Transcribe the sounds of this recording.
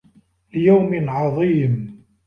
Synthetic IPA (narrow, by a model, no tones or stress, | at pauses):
ljawmɪlʕɑðˤiːm